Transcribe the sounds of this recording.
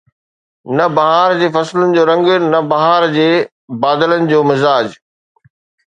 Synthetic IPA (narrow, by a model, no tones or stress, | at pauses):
nɐbɐɦaːɾd͡ʑeːfɐslənɪ̆d͡ʑoːɾɐ̃ŋɡnɐbɐɦaːɾd͡ʑeː | baːd̪ələnɪ̆d͡ʑoːmɪzaːd͡ʑ